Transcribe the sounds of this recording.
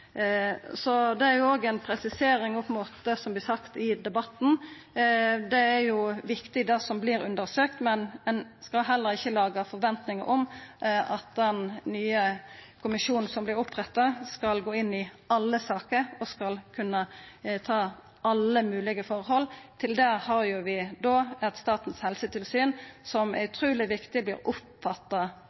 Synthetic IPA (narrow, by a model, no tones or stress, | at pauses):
sɔd̪ɛæɾjʊoːɡɛnpʰɾɛsɪseːɾɪŋɔpmoːt̪d̪əsɔmb̪lɪsɑkt̪ɪd̪ɛbɑt̪n̩ | d̪ɛæɾjʊʋɪkt̪ɪd̪ɛːsɔmbliːɾʉ̰nd̪əɾsøːkt̪mɛnɛnskɑlɦɛlːəɾɪçːəlɑːɡəfɔɾʋɛnt̪nɪŋəɾʔɔmʔɑt̪̚d̪ɛnːyːəkʰʊmɪʃuːnn̩sɔmblɪɾʊpʁɛt̪ːɑskɑlɡoːɪnːɪ | ɑlːəsɑːkəɾɔskɑlkʰʉnːət̪ʰɑː | ʔɑlːəmʉːlɪɡəfɔʁhɔlt̪ʰɪld̪ɛhɑʁjʊʋɪd̪oːɛt̪st̪ɑːt̪n̩shɛlsət̪ʰɪlsyːnsɔmæ̰ɾʉt̪ʰɾuːlɪʋɪkt̪ɪblɪːɾʊp | fɑt̪ːɑ